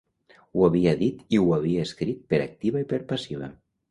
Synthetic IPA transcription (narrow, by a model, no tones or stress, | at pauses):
uaβiaðit̪iwaβ̞iaeskɾit̪̚peɾak̚t̪iβaipəɾpasiβ̞a̰